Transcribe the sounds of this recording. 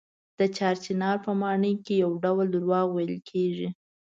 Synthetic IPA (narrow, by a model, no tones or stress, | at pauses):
d̪̥ət͡ʃɑɾt͡ʃinɑɾpəmɑɳəjkejawɖawld̪ɾwɑɣwajəlkʰeʐi